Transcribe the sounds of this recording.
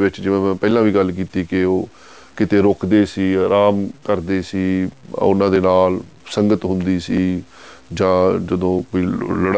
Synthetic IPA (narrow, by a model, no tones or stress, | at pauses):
ʋɪt͡ʃd͡ʒɪʋãːmɛ̃ːpɛːlãːʋiːɡəlk̬iːt̪iːkɪoː | kɪt̪eːɾoːkd̪eːsiːɾaːmkəɾd̪eːsiːʊnãːd̪eːnaːl | səŋɡət̪ɦʊnd̪iːsiː | d͡ʒãːd͡ʒəd̪õːkoːiːləɽ